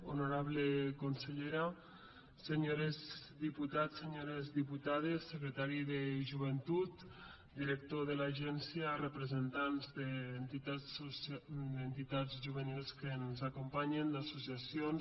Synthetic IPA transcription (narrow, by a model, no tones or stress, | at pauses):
onuɾaβlekonseʎeɾa | seɲoɾezd̪iput̪aseɲoɾezðiput̪að̞esːəkɾet̪aɾiðəʒuβ̞ent̪ut̪ | d̪iɾək̚t̪oðəlaʒɛnsjiarəpɾəzent̪anzðent̪it̪a | d̪ent̪it̪ad͡zʒuβənilˠskenzakumpaɲend̪asusiasion